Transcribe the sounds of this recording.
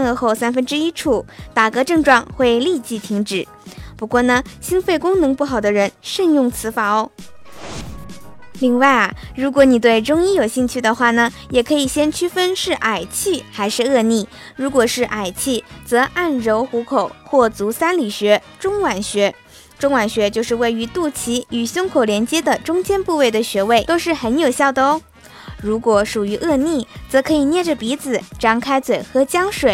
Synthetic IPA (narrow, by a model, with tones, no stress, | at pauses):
nɤ˥˧xo˥˩ʊsa˥nfə˥nʈ͡ʂɻ̩˥i˥ʈ͡ʂʰu˥˩t̪a˨˩kɤ˧˥ʈ͡ʂɤ˥˧ŋʈ͡ʂwɑ˥˧ŋxwe˥˧ɪli˥˧t͡ɕi˧˩t̪ʰi˧˥ŋʈ͡ʂɻ̩˨˩˦ | pu˧˥kwɔ˥˩nə˩ɕi˥nfe˥˩ɪkʊ˥ŋnɤ˧˥ŋpu˥˩xɑ˨˩ʊd̪ə˦ɻə˧˥nʂə˥˧ŋjʊ˥˩ŋt͡sʰɹ̩˧˥fɑ˧˥˧ | li˥˧ŋwa˥˩ɪɐ˩ɻu˧˥kwɔ˧˥ni˨˩t̪̬we˥˩ɪʈ͡ʂʊ˥ŋi˥jo˨˩ʊɕi˥˧ŋt͡ɕʰy˥˩d̪ə˩xwa˥˩nə˩jɛ˨˩kʰɤ˧˥i˨˩ɕjɛ˥nt͡ɕʰy˥fə˥nʂɻ̩˥˩ʔa˨˩ɪt͡ɕʰi˥˩xa˧˥ɪʂɻ̩˥˧ɤ˥˧ni˥˩ | ɻu˧˥kwɔ˨˩ʂɻ̩˥˩ʔa˨˩ɪt͡ɕʰi˥˩t͡sɤ˧˥ʔa˥˩nɻo˧˥ʊxu˧˥kʰo˨˩ʊxwɔ˥˩t͡su˧˥sa˥nli˨˩ɕɥɛ˧˥ | ʈ͡ʂʊ˥ŋwa˨˩nɕɥɛ˧˥ | ʈ͡ʂʊ˥ŋwa˨˩nɕɥɛ˧˥t͡ɕjo˥˧ʊʂɻ̩˥˧we˥˩ɪy˧˥t̪u˥˩t͡ɕʰi˧˥y˨˩ɕjʊ˥ŋkʰo˨˩ʊljɛ˧˥nt͡ɕjɛ˥d̪ə˨ʈ͡ʂʊ˥ŋt͡ɕjɛ˥npu˥˧we˥˩ɪd̪ə˩ɕɥɛ˧˥we˥˩ɪt̪o˥ʊʂɻ̩˥˩xə˧˥njo˨˩ʊɕjɑ˥˩ʊt̪o˧˥ʊ | ɻu˧˥kwɔ˧˩ʂu˨˩y˧˥ʔɤ˥˧ni˥˩t͡sɤ˧˥kʰɤ˧˥i˨˩njɛ˥˩ʈ͡ʂə˩pi˧˥d͡zɹ̩˨˩ʈ͡ʂɑ˥˩ŋkʰa˥ɪt͡swe˨˩ɪxɤ˧˥t͡ɕjɑ˥ŋʂwe˨˩ɪ